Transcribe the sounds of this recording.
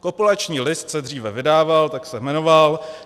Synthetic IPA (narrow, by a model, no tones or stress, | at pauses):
kopulat͡ʃɲiːlɪst̪sɛdriːvɛvɪdaːvalt̪aksɛmɛno̞val